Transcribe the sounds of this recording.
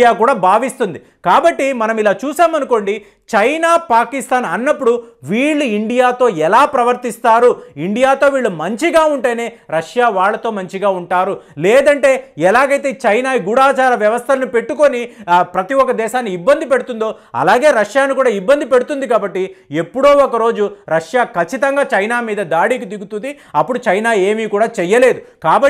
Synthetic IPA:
jaːkuːɽaːbʱaːʋist̪und̪i | kaːbɐʈːimɐnɐmilaːt͡ʃuːsaːmɐnuko̞ɳɖi | t͡ʃɐjnaːpaːkist̪ʰaːnɐnːɐpːuɽuʋiːɭːuiɳɖijaːt̪o̞ːɛlaːpɾɐʋɐɾt̪ist̪aːɾuiɳɖijaːt̪o̞ːʋiːɭːumɐɲt͡ʃiɡaːuɳʈɐːjne̞ː | ɾɐʂjaːʋaːɭːɐt̪o̞ːmɐɲt͡ʃiɡaːuɳʈaːɾulɛːd̪ɐɳʈe̞ːɛlaːɡɐjt̪e̞ːt͡ʃɐjnaːɡuɽaːt͡ʃaːɾɐʋjɐʋɐst̪ʰɐlɐnupe̞ʈːuko̞nipɾɐt̪iɔkːɐd̪ɛːʃaːnːiibːɐnd̪ipe̞ɽut̪und̪o̞ː | ɐ̰laːɡe̞ːɾɐʂjaːnuikuːɽaːibːɐnd̪ipe̞ɽut̪und̪ikaːbɐʈːie̞pːuɽoːɔkɐɾo̞ːd͡ʒuɾɐʂjaːkɐt͡ʃːit̪ɐŋɡaːt͡ʃɐjnaːmiːd̪ɐd̪aːɽiːk̬id̪iɡut̪und̪i | ɐpːuɽut͡ʃɐjnaːe̞ːmiːkuːɽaːt͡ʃɛjːɐle̞ːd̪ukaːbɐ

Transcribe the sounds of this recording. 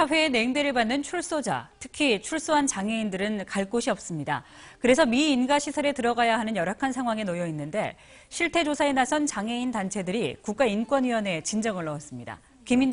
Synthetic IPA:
sʰaɸwe̞ːne̞ŋde̞ɾɯɭbanːɯnt͡ɕʰuɭs͈od͡ʑa̰tʰɯ̥kʰit͡ɕʰuɭs͈oɦant͡ɕaŋe̞indɯɾɯnkaɭk͈oɕʰiʌp̚s͈ɯmɲida̰ | kɯɾe̞sʰʌmiːnɡaɕʰisʰʌɾe̞tɯɾʌɡajaɦanɯnjʌɾakʰansʰaŋɦwaŋe̞nojʌinːɯnde̞ | ɕʰiɭtʰe̞d͡ʑosʰaenasʰʌnt͡ɕaŋe̞intant͡ɕʰe̞dɯɾikuk̚k͈aink͈wʌnɥiʌne̞t͡ɕind͡ʑʌŋɯɭːʌwʌs͈ɯmɲida̰ | kimin

